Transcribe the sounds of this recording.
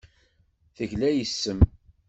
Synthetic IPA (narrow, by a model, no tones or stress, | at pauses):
θəʝlæjəsːəm